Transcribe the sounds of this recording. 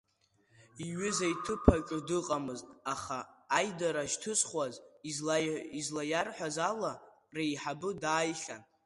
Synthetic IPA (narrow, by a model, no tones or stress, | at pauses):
iɥʏzajtʰɨpʰakʲʷʼʊdɨqʼamɨztʼaχaːjdaɾaʃtʰɨsχwazizlaizlajarħʷazala | rejħabɨdaːjχʲan